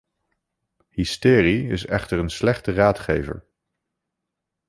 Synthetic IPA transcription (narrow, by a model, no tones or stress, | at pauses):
hɪstɪːriɪsɛχtəɹənslɛχtəraːtχḛjvə̰ɹ